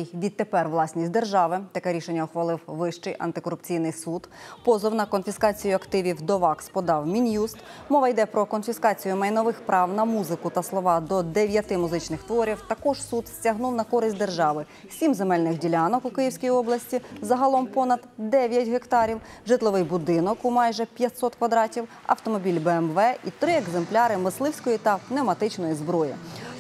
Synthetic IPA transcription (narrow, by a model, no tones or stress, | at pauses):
ʋʲid̪̚t̪epɛrʋlˠɑsʲnʲisʲtʲd̪e̞rʒɑʋɪt̪ɐkɛɾʲiʃenʲːɐɔxʋɐlˠɪwʋɪʃt͡ʃɪjʔɐ̰nt̪ɪkɔɾʊpt͡sʲijnɪjsud̪pɔzɔwnɐkɔnfʲiskɑt͡sʲijʊɐkt̪ɪʋʲiwd̪ɔʋɑkspɔd̪ɑwmʲinjust̪mɔʋɐjd̪ɛpɾɔkɔnfʲiskɑt͡sʲijʊmɐjnɔʋɪxpɾʔɑwnɐmuzɪkʊt̪ɐslˠɔʋɑd̪ɔd̪eʋʲjɐt̪ɪmʊzɪt͡ʃnɪxt̪ʋɔɾʲiwt̪ɐkɔʒsud̪sʲtʲɐɦnuwnɐkɔɾɪsʲtʲd̪e̞rʒɑʋɪ | sʲimzemɛlʲnɪxdʲilʲɑnɔkukɪjiwsʲkʲijiɔblˠɐsʲtʲizɐɦɐlˠɔmpɔnɐd̪d̪ɛʋʲjɐtʲɦekt̪ɑɾʲiwʒɪt̪lˠɔʋɪjbʊd̪ɪnɔkʊmɑjʒɛpʲjɐt̪ʲsɔt̪kʋɐd̪ɾɑtʲiw | ɐ̰wt̪ɔmɔbʲilʲbɛɛmʋɛʔit̪ɾɪeɡzemplʲɑɾɪmɪslˠɪwsʲkɔjit̪ɐnemɐt̪ɪt͡ʃnɔjizbɾɔjḭ